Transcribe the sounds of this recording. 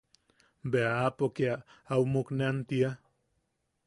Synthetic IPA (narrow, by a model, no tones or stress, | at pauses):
beaapokeaawmuknent̪ia